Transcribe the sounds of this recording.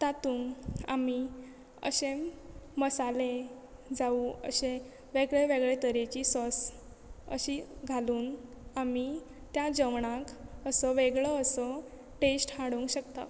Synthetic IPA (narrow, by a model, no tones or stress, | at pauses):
t̪at̪uːŋa̰mi | ə̰ɕeməsale | d͡zauə̰ɕẽ | ʋeɡɭeʋeɡɭet̪əɾet͡ɕiːsɔs | ə̰ɕiɡʱaluːn | ami | t̪jad͡ʑəʋɳakəsəʋeɡɭəːsə | ʈesʈhãɽuŋkɕəkt̪a̰